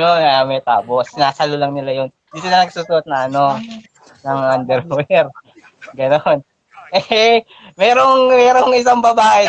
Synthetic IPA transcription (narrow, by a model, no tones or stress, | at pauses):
jonɐɐmɛt̪a̰ːbosɪnaːsɐlolɐŋnɪlajon | d̪isɪlɐnɐɡsuːsʊʔot̪̚nɐʔɐno̞ | nɐŋʔand̪ɛɾwɛɾ | ɡɐnon | ʔɛ | mɛːɾo̞ŋmɛːɾo̞ŋɪs̬aŋbɐbaːʔɛ